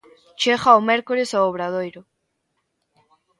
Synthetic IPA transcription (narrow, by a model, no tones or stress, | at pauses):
t͡ʃeɣaomɛɾkoɾesaoβ̞ɾaðojɾʊ